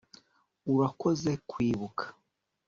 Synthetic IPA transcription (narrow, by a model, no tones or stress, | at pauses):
uɾako̞zekʰwiːβukʰḁ